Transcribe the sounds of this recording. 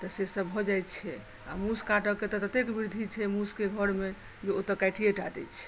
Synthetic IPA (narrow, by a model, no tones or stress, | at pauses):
t̪ɔsesəbɦɔd͡ʒajt̪t͡ʃʰɛ | a̰muskaʈəket̪ət̪ət̪ekbiɾd̪ʱit͡ʃʰɛmuskeɡʱəɾme | d͡ʒeot̪əkaʈʰieʈad̪ɛ̰t͡ʃʰɛ̥